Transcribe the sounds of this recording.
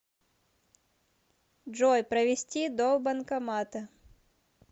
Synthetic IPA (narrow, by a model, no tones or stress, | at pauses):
ʐɔjpɾɐvʲɪsʲtʲid̪obɐnkɐmat̪ɐ